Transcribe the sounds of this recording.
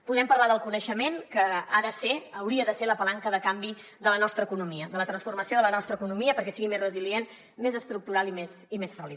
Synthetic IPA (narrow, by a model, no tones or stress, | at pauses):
puðɛmpəɾlaðəlˠkunəʃəmenkəaðəseːwɾiəðəseləpəlaŋkəðəkambi | ðd̪ələnɔst̪ɾəːkunumiəd̪ələt̪ɾənsfurməsioðələnɔst̪ɾəkunumiəpəɾkɛsiɣimezrəziljen | mezəst̪ɾuk̚t̪uɾalimes | imesfɔli